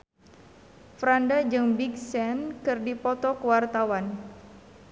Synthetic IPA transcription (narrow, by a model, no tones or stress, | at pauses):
fɾandad͡ʒɨŋbiksɛnkɨrdipɔt̪ɔkəwart̪awan